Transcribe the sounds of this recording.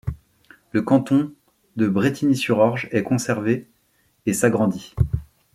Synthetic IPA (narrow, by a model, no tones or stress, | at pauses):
ləkɑ̃t̪ɔ̃ | d̪əbʁet̪ʰinisyʁɔʁʒɛkɔ̃sɛʁveː | saɡʁɑ̃d̪i